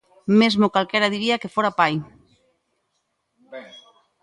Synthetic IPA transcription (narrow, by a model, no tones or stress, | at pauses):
mezmokalkɛɾaðiɾiakefoɾapaj